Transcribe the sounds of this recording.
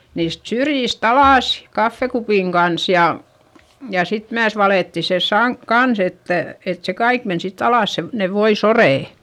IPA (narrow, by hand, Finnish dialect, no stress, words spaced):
niːst syrjist ɑlɑˑs kɑfːekupiˑŋ ɡ̊ɑns jɑ jɑ sit myæs ʋɑleˑtːi se sɑŋk kɑns etːæ et se kɑik men sitː ɑlɑˑs se ne ʋoisoreˑ